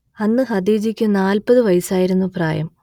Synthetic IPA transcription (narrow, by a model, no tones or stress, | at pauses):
ɐnːɨɦɐd̪iːd͡ʑikʲːɨnaːlpɐðɨʋɐjsaːjiɾunːupra̰ːjɐm